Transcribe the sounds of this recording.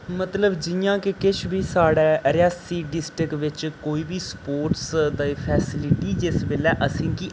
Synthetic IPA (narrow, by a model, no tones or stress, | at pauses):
mət̪ləbd͡ʒɪjãːkɪkɪt͡ʃʰʋiːsaːɽɛːəɾɪjaːsiːɖɪsʈɾɪkʋɪt͡ʃkoːiːbiːspoːɾʈsd̪aːipʰɛːsɪlɪʈiːd͡ʒɪsbeːlɛːʔəsĩːkiː